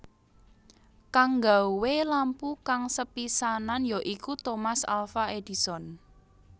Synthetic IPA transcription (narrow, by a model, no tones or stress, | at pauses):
kaŋɡauwelampukaŋsəpisananjoʔikut̪omasa̰lfaed̪̥i̤sɔn